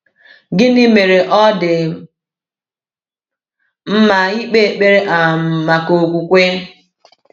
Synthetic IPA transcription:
ɡɪ˦nɪ˦me˨ɾe˨ʔɔ˦dɪ˨ | m̩˦ma˨i˦k͡pe˦˨k͡pe˦ɾe˦ʔa˨ma˨ko˨kʷu˨kʷe˦

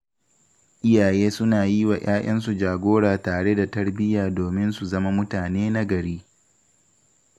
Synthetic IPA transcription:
ʔɪ˦jaː˨jeː˦sʊ˦naː˨ji˦wa˨j̰aː˦ʔɐ˦nsu˨d͡ʒaː˨ɡʷoː˦ɽaː˨taː˨ɽe˦da˨tɐ˦ɽbɪ˦jaː˨doː˨mɪ˦nsu˨zɐ˦ma˦mʊ˦taː˨neː˦na˦ɡɐ˨ɽiː˦

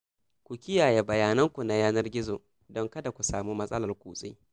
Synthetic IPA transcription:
kʷu˨kʲɪ˦jaː˨je˦bɐ˨jaː˦nɐ˦ŋkʷu˨na˨jaː˦nɐ˦rɡʲɪ˦zoː˨ | dɔ˦ŋkɐ˦da˨kʷu˨saː˨muː˦mɐ˦sʼɐ˦lɐ˨rkʷuː˨sʼḭ˦

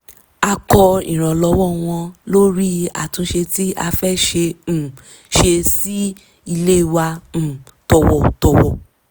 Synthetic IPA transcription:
a˧kɔ˧ḭ̃˨ɾ̃ã˨lɔ˨˧˦wɔ˦˨w̃ɔ̃˧lo˦ɾi˦a̰˨tũ˧˦ʃe˧ti˦a˧fɛ˦ʃe˧˨ | ʃe˧si˦ | i˧le˦˨wã˧˨ | tɔ˨wɔ˨tɔ˨wɔ̰˨

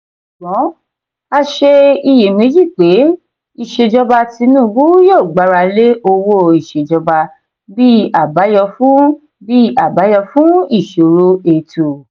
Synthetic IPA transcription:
ʃu˨ɡ͡bɔ̃˨˦ | a˧ʃe˧i˧˨je˨mẽ˨˦d͡ʒi˦˨k͡pe˨˦ | i˨ʃe˧d͡ʒɔ˧ba˧ti˧nũː˦˨ɡu˦jo˦˨ɡ͡ba˨˦ɾa˧le˦o˧wo˦i˨ʃe˨d͡ʒɔ˧ba˧ | bi˦a˨ba˨˦jɔ˧fũ˦ | bi˦a˦˨ba˨˦jɔ˧fũ˦i˦˨ʃo˨ɾo˦e˧˨tʰu˨

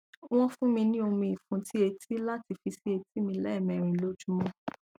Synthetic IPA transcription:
w̃ɔ̃˦fũ˦mĩ˧nĩ˦o˧mĩ˧i˨fũ˧ti˦e˧ti˦la˦ti˧fi˧si˦e˧ti˦mĩ˧lɛ˦˨mɛ̃˨ɾ̃ĩ˨lo˦d͡ʒu˦mɔ̃˧

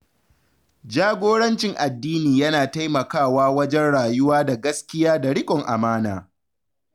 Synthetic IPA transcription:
d͡ʒaː˦ɡʷoː˦ɽɐ˦nt͡ʃɪ˨ŋʔa˨dːiː˦niː˨jɐ˦naː˨ta˦jmɐ˨kaː˦˨waː˦wɐ˦d͡ʒɛ˦nɽaː˨jʊ˦waː˦da˨ɡɐ˦skʲɪ˦jaː˦da˨ɽɪ˦kʼɔ˨ŋʔa̰˨maː˦na̰ː˨

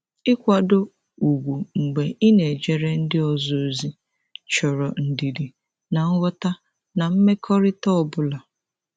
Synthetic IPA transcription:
ɪ˦kʷa˨do˦ | u˨ɡʷu˨ŋ͡m̩˨ɡ͡be˨ʔɪ˦ne˨d͡ʒe˨ɾe˦n̩˦dɪ˦ɔ˨zo˨o˨zi˦ | t͡ʃɔ˨ɾɔ˨n̩˨di˨di˨ | na˨ŋ̩˦wʷɔ˦ta˦ | na˨m̩˦me˦kʰɔ˦ɾɪ˦tɔ˦ɔ˨bʊ˦la˨

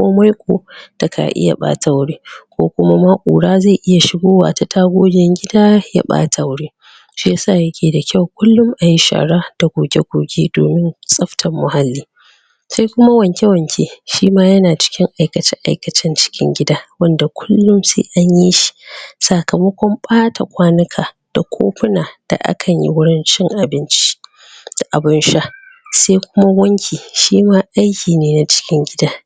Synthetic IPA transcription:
ko̰ː˦ma˦jkʷʼoː˨d̥a˨kʰa̰˨ʔɪ̰˦ja̰˨ɓa̰ː˦tʰa˨wɽeː˦kʷoː˦kʷʊ˦ma˦maː˦kʼṵː˨ɽaː˦za˦˨ʔɪ˦ja˨ʃɪ˦ɡoː˦wa̰ː˨ta˨tʰaː˦ɡʷoː˦dʲɛ˦ŋɡʲɪ˦daː˦ja̰ː˦ɓa̰ː˦tʰa˨wɽeː˦ | ʃi˦ja˦saː˦˨jɐ˦kʲʰeː˨da˨kʲʰa˦˨wkʷʊ˦lːʊ˦mʔa˨ji˦ʃa̰ː˨ɽa˦d̥a˨ɡʷoː˨ɡʲe˦ɡʷoː˨ɡʲeː˦do̰ː˨mɪ˦nsʼɐ˦ɸtʰɐ˨mːʊ˨ha˦lːiː˦ | sa˦jkʷʊ˦ma˦wɐ˨ŋkʲe˦wɐ˨ŋkʲʰe˦ʃiː˦maː˦jɐ˦naː˨t͡ʃɪ̥˦kʲɪ˦ŋʔa˨jkɐ˨t͡ʃɪ˦ʔa̰˨jkɐ˨t͡ʃɪ˦nt͡ʃɪ̥˦kʲɪ̰˦ŋɡʲɪ˦daː˦wɐ˦nda˨kʷʊ˦llːʊ˦msḛː˦ʔa˦ɲji˦ʃi̥˨sa˨kɐ˨mɐ˦kʷɔ˦mɓʼaː˦tʰa˨kʷaː˦nɪ˦kʰaː˨ | d̥a˨kʷʰo̰ː˦ɸɪ˦naː˨d̥a̰˨ʔa̰˦kʰɐ˨ɲjḭ˦wʊ˦ɽɪ˦nt͡ʃɪ˦ŋʔa˨bɪ˦nt͡ʃi̥˦ | d̥ʔa˨bɪ˦nʃa˦ | sa˦jkʷʊ˦ma˦wɐ˦ŋkʲiː˨ʃiː˦maː˦ʔa˦jkʲiː˨neː˦na˨t͡ʃɪ̥˦kʲɪ˦ŋɡʲɪ˦daː˦

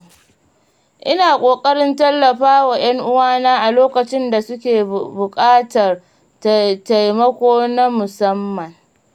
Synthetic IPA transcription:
ʔɪ˦naː˨kʷʼoː˨kʼɐ˦ɽɪ˦ntɐ˦lːɐ˨ɸaː˦wa˨j̰ɐ˦ŋʔʊ˦waː˦naː˦ʔa˨loː˦kɐ˨t͡ʃɪ˦nda˨sʊ˦kʲeː˨bʊ˨kʼaː˦tɐ˨r | ta˨jmɐ˦kʷoː˦na˦mʊ˨sɐ˦mːɐ˨ŋ

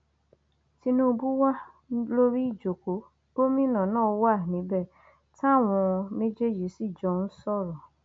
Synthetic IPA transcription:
ti˧nũ˦˧bu˦wa˦ | lo˦ɾi˦i˦˨d͡ʒo˨ko˨˦ | o˦mĩ˦nã˨nãː˦˨o˧˦wa˦˨nĩ˨˦bɛ˦˨ | ta˦˨w̃ɔ̃˧ne˦d͡ʒe˦˨d͡ʒi˨˦si˦˨d͡ʒɔ̃˨˦n̩˦sɔ˦˨ɾɔ˨

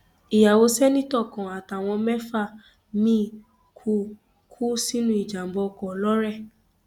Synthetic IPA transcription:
i˨ja˨wo˧sɛ˦nĩ˦tɔ˦˨kã˨a˨ta˨w̃ɔ̃˧mɛ˦fa˦˨ | mĩ˦ | kʰu˦ | kʰu˦si˦nũ˦i˦˨d͡ʒa˨m̩˦bɔ˧kɔ˨lɔ˦ɾɛ˦˨

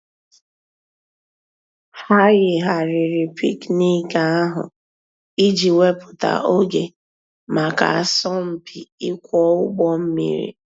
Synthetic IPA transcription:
ha˦ɣɪ˨ɦa˨ɾɪ˨ɾɪ˨pi˦kni˦ka˨a˦ɦʊ̰˨ | i˦d͡ʒi˨we˦pʊ˨ta̰˨ʔo˦ɡe˨ | ma˨ka̰˨a˨sɔ˦m̩˦pʰi˨ɪ˦kʷɔ˦ʊ˦ɡ͡bɔ˦m̩˦mḭ˦ɾḭ˨

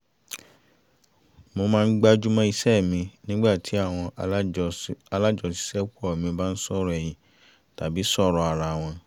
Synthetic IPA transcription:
mo˧mãː˦˧n̩˦ɡ͡ba˦d͡ʒu˦mɔ̃˦i˧sɛ˦˨mĩ˧nĩ˦ɡ͡ba˦˨tʰi˨˦a˦˨w̃ɔ̃˧ | a˧la˦d͡ʒɔ˧si̥˨˦sɛ˦kɔ˦˨mĩ˧ba˦n̩˦sɔ˦˨ɾɔ˨ɛ˨j̃ĩ˨ | ta˨bi˨˦sɔ˦˨ɾɔ˧a˨ɾa˨w̃ɔ̃˧

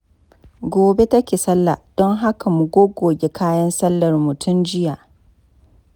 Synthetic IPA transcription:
ɡʷoː˨be˦tɐ˦kʲeː˨sɐ˦lːa˨d̥ɔ˦ŋɦa˦ka˨mu˨ɡʷoː˦ɡoː˨bʲe˦kʰaː˦jɐ˦nsɐ˦lːɐ˨rmʊ˨tʰʊ˦nd͡ʒɪ˦ja˨ʔ

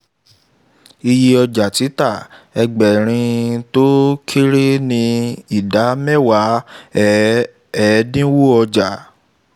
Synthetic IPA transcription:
i˧ji˧ɔ˧d͡ʒa˨ti˨˦ta˦˨ɛ˧ɡ͡bɛ˨ɾ̃ĩ˧to˦kʰi˦ɾi˦nĩ˧i˨da˨˦mɛ˦˨wa˨˦ | ɛ˨˦dĩ˦wu˦ɔ˧d͡ʒa˨

